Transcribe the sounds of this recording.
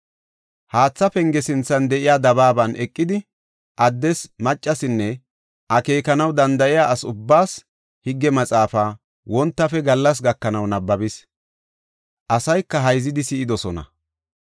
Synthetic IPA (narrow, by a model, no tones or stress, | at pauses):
haːt͡sːɐpɛŋɡɛsɪnt͡sːɐnd̪ɛʔɪjaːd̪ɐβaːbɐnʔɛkʼːɪd̪ɪ | ʔɐd̪ːɛsmɐt͡ʃʼːɐsɪnːɛ | ʔɐke̞ːkɐnɐwd̪ɐnd̪ɐʔɪjaːʔɐsʊbːaːs | hɪɡːɛmɐt͡sʼaːfaː | wɔnt̪ːɐfɛɡɐlːɐs̬ɡɐkːɐnɐwnɐbːɐbɪs | ʔɐsɐjkːɐɦɐjzɪd̪ɪsɪɪd̪ɔsɔnɐ̰